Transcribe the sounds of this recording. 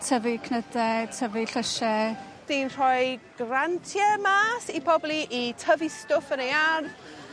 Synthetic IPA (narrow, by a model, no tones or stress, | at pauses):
tʰəvikʰnədɛtʰəviɬəʃɛ | d̥inr̥ɔjɡ̥rantʰjɛmaːsipʰɔblˠiʔitʰəvistʊfənejarð